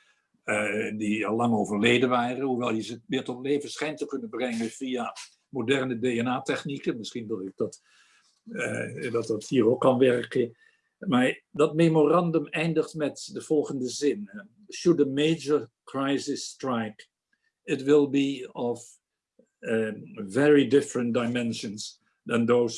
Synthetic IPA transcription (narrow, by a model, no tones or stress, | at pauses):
diɑlˠːɑŋowvəɹlejdənʋaːrənɦuʋɛlˠjəzəmɪːɹtɔtlejvənsχɛjntəkɵnənbrɛŋənv̥ia | modɛɹnədejɛnaːtɛχnikənmɪsχindʊɪɡ̚dɑt | dɑtdɑthiːrokːɑnʋɛrkə | maːɹdɑt̚memorɑndəmɛjndəχtmɛtdəv̥ɔlˠχəndəzɪn | ʃʊdəmeɪd͡ʒəɹkɹajsɪstɹajk | ɪtʋɪlˠbiɔv | vɛɹidɪfɹə̃nt̚dajmɛnʃəns | dɛndows